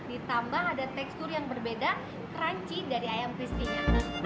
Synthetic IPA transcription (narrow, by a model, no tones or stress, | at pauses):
dit̪ambaɦadat̪ɛkst̪ʊrjaŋbərbeda | kəɾaɲt͡ʃidaɾiajamfist̪ik